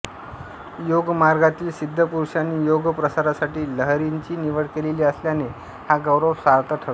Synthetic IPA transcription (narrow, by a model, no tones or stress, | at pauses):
joɡmaɾɡat̪iːlsid̪ʱːəpuɾɕaniːjoɡpɾəsaɾasaʈiːləɦɾiɲt͡ɕiːniʋəɽkeleliːəsljane | haɡəwɾəwsaɾt̪əʈʰəɽ